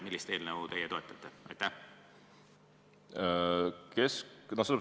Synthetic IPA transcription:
milːist̪e̞ːlnəwt̪e̞jɛt̪o̞et̪ːˑɑt̪ːˑeʔɑ̰jt̪ːæh | kesnoselːp

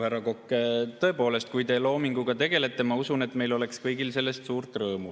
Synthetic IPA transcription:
hæɾɑko̞kːˑet̪ɤ̞epo̞ːle̞st̪̚kujt̪e̞lo̞ːmiŋɡ̥uɡ̥ɑt̪e̞ɡ̥e̞le̞t̪ːˑemɑusunet̪me̞jlo̞le̞kskɤjɡ̥ilse̞lːe̞st̪suːɾt̪rɤːmu

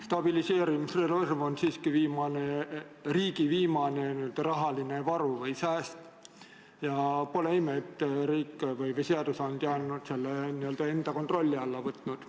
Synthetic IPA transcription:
st̪ɑb̥ilise̞ːɾimisrelermonsiːskiviːmɑneriːɡiviːmɑne̞niøld̪̥ɑɾɑɦɑlinevɑɾuvɤjsæːst̪ | jɑpo̞leimet̪ːriːkːvɯjveseɑd̪usɑnd̪̥jɑnːud̪̥selːeniø̞ld̪̥ɑe̞nd̪̥ɑkot̪ro̞lʲːiɑlːɑvɤt̪ːˑnud̪̥

